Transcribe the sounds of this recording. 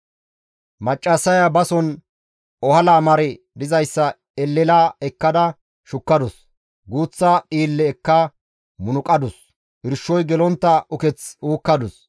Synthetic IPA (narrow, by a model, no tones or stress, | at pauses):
mɐt͡ʃʼːɐsɐjabɐsɔn | ɔhɐlaːmɐɾɛ | d̪ɪzɐjsːɐ | ɛlːɛlaːɛkːɐd̪ɐ | ʃʊkːɐd̪ɔs | ɡuːt͡sːaʔʼiːlːɛːkːa | mʊnʊkʼɐd̪ʊs | ɪɾʃːɔjɡɛlɔnt̪ːɐʊkɛt͡suːkːɐd̪ʊs